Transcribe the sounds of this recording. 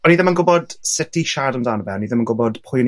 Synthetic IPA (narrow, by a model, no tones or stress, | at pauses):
ɔniːðəmənɡʊbɔd̥sɪtʰiʃadəmdaːnəbɛnːiːðəmənɡʊbɔd̥pʰʊjn